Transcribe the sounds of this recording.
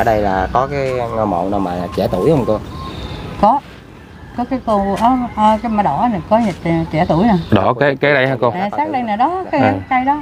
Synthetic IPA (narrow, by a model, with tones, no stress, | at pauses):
a˧˩ɗə˧jlaː˨˩kɔ˨˦kaː˨˦jŋɔ˧m̰˧˨naː˧˩wmaː˨˩laː˨˩t͡ɕɛ˧˩˦t̪u˧˩˨jhə˧wŋ͡mt̪u˧j | kɔ˨˦ | kɔ˨˦kaː˨˦jt̪u˧ʔəː˨˦ʔəː˧ka˧˦maː˨˩ɗɔ˧˩˦na˨˩kɔ˨˦ɲə˨˩t̚t͡ɕɛ˧˩t̪u˧˩˨jna˨˩ɗɔ˧˩ke˨˦ke˨˦ɗə˧jha˧ko˧a˨˩saː˦˥k̚ɗə˧jnaː˨˩ɗɔ˨˦ka˨˦˨kaː˧jɗɔ˨˦